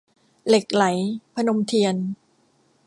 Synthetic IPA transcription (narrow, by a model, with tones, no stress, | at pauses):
le˨˩k̚la˩˦jpʰa˧no˧mt̪ʰi˧ən